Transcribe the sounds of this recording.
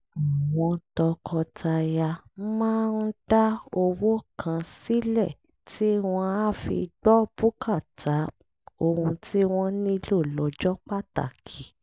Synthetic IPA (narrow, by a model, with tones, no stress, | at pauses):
w̃ɔ̃˧tɔ˧kʰɔ˧tʰa˧ja˧mãː˦n̩˦d̥a˦o˧wo˦kʰã˧si˦lɛ˦˨ | tʰi˦w̃ɔ̃˧a˦˨fḭ˧ɡ͡bɔ˦bu˦ka˦˨tʰa˨˦ | o˧hũ˧tʰi˦w̃ɔ̃˦nĩ˦lo˦˨lɔ˨˦d͡ʒɔ˦k͡pa˦ta̰˨kʰi˨˦